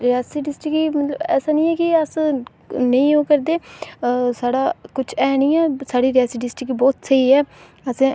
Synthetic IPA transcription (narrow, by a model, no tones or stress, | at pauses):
ɾɪjaːsiːɖɪsʈɪkiːmət̪ləbɛ̰ːsaːnĩːɛːkɪəs | nəĩːoːkəɾd̪eː | saːɽaːkʊt͡ʃʰɛːnĩːɛːsaːɽiːɾɪjaːsiːɖɪsʈɪkːbɔːt̪səiːɛː | əsẽː